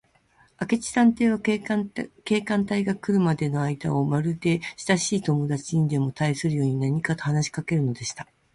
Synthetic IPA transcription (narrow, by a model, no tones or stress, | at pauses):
ake̞t͡ɕi̥sãnt̪e̞ːβ̞a | ke̞ːkãnt̪aiɡakːɯ̟ɾɯ̟mad̪e̞no̞aid̪a̰o̞maɾɯ̟d̪e̞ɕi̥t̪aɕiːt̪o̞mo̞d̪at͡ɕiiɲd̪e̞mo̞t̪aisɨɾɯ̟jo̞ːɲ̟inaɲ̟ikat̪o̞hanaɕi̥kake̞ɾɯ̟no̞d̪e̞ɕi̥t̪a